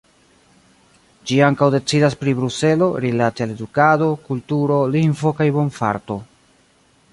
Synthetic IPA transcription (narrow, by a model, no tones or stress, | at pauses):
d͡ʒiaŋkawde̞t͡sidaspɾibɾuse̞lo̞ɾilateale̞dukado̞kultuɾo̞linfo̞kajbo̞nfa̰ɾto̞